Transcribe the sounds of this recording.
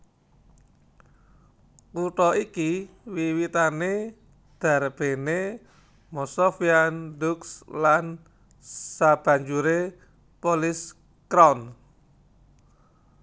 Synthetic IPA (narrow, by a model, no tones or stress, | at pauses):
kuʈɔikiwiwit̪ane | d̪̥a̤rb̥e̤ne | mɔsɔfiandukslan | sab̥a̤ɲd͡ʒuɾe | pɔlɪs | kɾawn